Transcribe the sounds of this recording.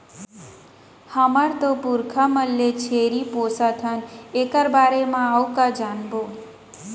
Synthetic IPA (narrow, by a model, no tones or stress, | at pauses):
həməɾt̪opuɾkʰaməlːet͡ʃʰeɾiposat̪ʰənekaɾbaɾemãawkad͡ʒanbo